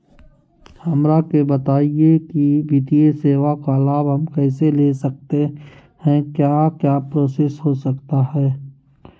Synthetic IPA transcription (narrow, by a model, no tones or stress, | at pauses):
hɐmɾakebət̪aːiekiʋit̪ieseːʋakalaːbɦəmkɛːselesək̚t̪e | hɛ̃kjaːkjaːpɾoːsesɦosəkt̪aɦɛː